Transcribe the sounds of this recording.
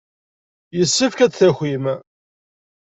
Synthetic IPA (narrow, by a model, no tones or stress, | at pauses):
jəsːəfkæt͡sθæxʷim